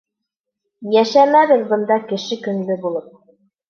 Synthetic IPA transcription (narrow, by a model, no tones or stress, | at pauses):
jæʃæmæβɘðbɤ̆nd̪ɑkɘ̆ʃɘkɵ̆nlɵbulˠɤp̚